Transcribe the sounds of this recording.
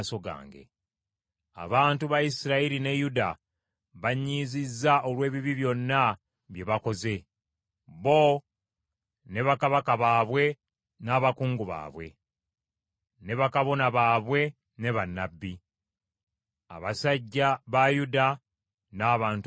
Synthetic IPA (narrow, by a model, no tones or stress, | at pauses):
so̞ɡa̰ːŋɡḛ | a̰βaːntuβaisiɾaiɾine̞juda | βaɲːizizːaolwe̞ːβiβiβjo̞nːa | βje̞βako̞ze̞ | βo̞ | ne̞βakaβakaβaːβwe̞ | naːβakuːŋɡuβa̰ːβwe̞̰ | ne̞βakaβo̞naβaːβwe̞ | ne̞βanːabːi | a̰βasaɟːaβajuda | naːβaːnt